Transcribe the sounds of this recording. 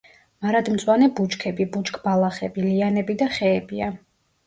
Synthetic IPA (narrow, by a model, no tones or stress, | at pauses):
maɾad̪mt̪sʼwanɛbut͡ʃkʰɛbibut͡ʃʼkʰʼbalˠaχɛbilianɛbid̪aχɛːbia